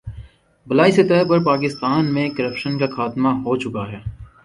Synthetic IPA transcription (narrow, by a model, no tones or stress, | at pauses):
bɐlaːiset̪ɛːp̬ɐɾpaːk̬ɪst̪aːnmẽkɐɾəpʃənkaxaːt̪maɦot͡ʃʊkaɦɛː